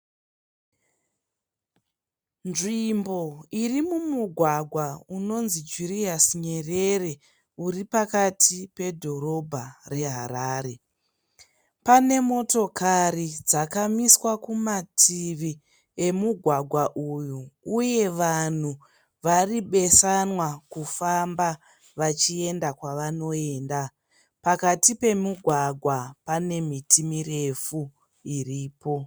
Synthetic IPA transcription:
nʐimbo̞irimumuɡʱwaɡʱwauno̞nzid͡ʒuriasɲe̞re̞re̞ | uɾipakatʰipe̞dʱo̞ɾo̞bʱare̞ɦaɾaːɾe̞ | pane̞mo̞to̞karid͡zakamiswakumatʰiʋi | e̞muɡʱwaɡʱwaʔujuuje̞ʋan̤u | ʋariɓe̞sanwakufamba | ʋat͡ʃie̞ndakwaʋano̞e̞ːnda | pakatipe̞muɡʱwaɡʱwapane̞mitʰimire̞fu | iriːpo̞

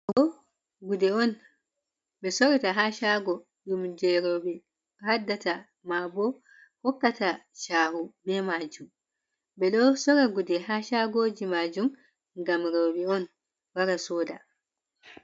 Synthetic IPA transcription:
ɔ | ɡudɛɔn | bɛsɔɾɛtaɦaʃaɡɔ | ɗumd͡ʒɛɾoɓɛ | hadːata | mabɔ | hɔkːataʃaːhubɛmaːd͡ʒum | bɛɗɔsɔɾaɡudɛɦaʃaɡoːd͡ʒimad͡ʒum | ɡamɾoɓɛɔn | waɾasɔːda

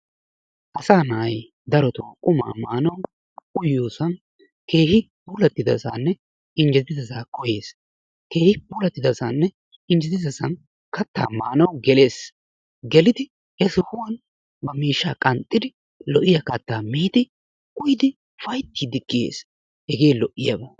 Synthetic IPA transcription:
ʔɐsaːnɐʔɐj | d̪ɐɾɔt̪ʊwkʼʊma̰ːmaːnɐw | ʊjːoːsɐn | ke̞ːhɪ | buːlɐt̪ːɪd̪ɐ̰sa̰nːɛ | ɪnd͡ʒɛt̪ɪzɐzaːkɔje̞ːs | ke̞ːhɪbuːlɐt̪ːɪd̪ɐsɐnːɛ | ɪnd͡ʒɛt̪ɪzɐsɐn | kɐt̪ːa̰ːmaːnɐwɡɛleːs | ɡɛlɪd̪ɪ | ɛsɪhʊwɐn | bɐmiːʃːaːkʼɐnt̪ʼːɪd̪ɪ | lɔʔɪjɐkɐt̪ːaːmiːd̪ɪ | kʼʊjd̪ɪ | fɐjt̪ːid̪ɪkːɪjḛːs | hɛɡe̞ːlɔʔːɪjɐbɐ

